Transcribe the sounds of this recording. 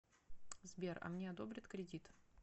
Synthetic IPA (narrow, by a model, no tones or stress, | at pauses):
zbʲerɐ̰mnʲeɐd̪o̞bɾʲɪt̪kɾʲɪdʲit̪